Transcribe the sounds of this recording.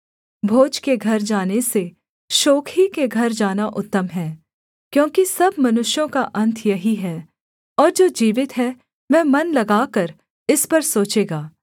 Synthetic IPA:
bʱoːd͡ʒkeɡʱɐɾd͡ʒaːnese | ʃoːkʰhikeɡʱɐɾd͡ʒaːnaʔʊt̪ːəmɦɛː | kjõːkisɐbmɐnʊʃjõkaʔɐ̃nt̪ʰjɐɦiɦɛː | ɔːɾd͡ʒoːd͡ʒiːʋɪt̪ɦɛ | ʋɛːmɐnlɐɡaːkɐɾ | ɪspɐɾsoːt͡ʃeːɡaː

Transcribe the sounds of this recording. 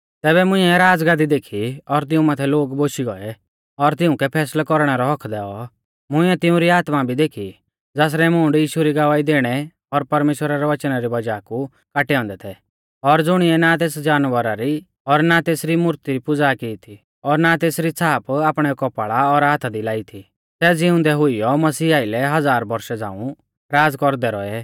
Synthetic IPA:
t̪ɛːβɛmʊ̃ɪ̃ɛɾaːd͡zɡaːd̪id̪eːkʰiɔɾt̪ɪũmaːt̪ʰɛloːɡboːʃiɡɔɛ | ɔɾt̪ɪʊ̃kɛpʰɛːslkɔɾɽ̃ɛɾɔɦɔkʰd̪ɛːɔ | mʊ̃ɪ̃ɛt̪ɪʊ̃ɾiaːt̪mabʱid̪eːkʰi | d͡zaːs̬ɾɛmʊːɳɖjiːʃuɾiɡɐʋaːid̪eːɽ̃ɛ | ɔɾpɐɾmeːʃwəɾaɾɛʋɐt͡ʃnaɾibɐd͡ʒaːku | kaːʈɛɔ̃ːnd̪ɛt̪ʰɛ | ɔɾd͡zʊɽ̃iɛnat̪eːsd͡ʒaːnʋəɾaɾi | ɔɾnat̪eːsɾimʊɾt̪iɾipʊd͡zakit̪ʰi | ɔɾnat̪eːsɾit͡sʰaːpaːpɽ̃ɛkɔpaɭaɔɾaːt̪ʰad̪ilaːit̪ʰi | sɛd͡zɪʊ̃nd̪ɛɦʊijɔmɐsiːaːɪlɛɦɐd͡zaːɾbɐɾʃɛd͡zã̰ːũ | ɾaːd͡zkɔɾd̪ɛɾɔɛ

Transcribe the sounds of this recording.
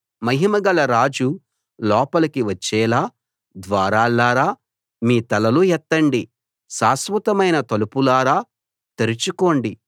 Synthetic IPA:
mɐɦimɐɡɐlɐɾaːd͡ʒu | lɔːpɐlɐkiʋɐt͡ʃːɛːlaː | d̪ʋaːɾaːlːaːɾaː | miːt̪ɐlɐlujɛt̪ːɐɳɖi | saːsʋɐt̪ɐmɐjnɐt̪ɐlupulaːɾaː | t̪eɾit͡ʃuko̞ːɳɖi

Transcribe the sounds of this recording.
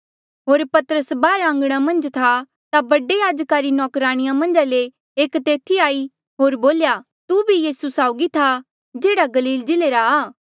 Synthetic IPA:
ɦoːɾpɐt̪əɾəsbaːɾaə̃ŋɡɽ̃amɐ̃nd͡ʒt̪ʰa | t̪abɐɖejaːd͡ʒkaːɾinɔːkɾaːɽ̃ɪjãmɐ̃nd͡ʒaleː | kt̪eːt̪ʰiaːi | ɦoːɾboːlja | t̪ubʱijiːsusaːʊɡit̪ʰa | d͡ʒeːɽaɡɐliːld͡ʒɪleɾaaː

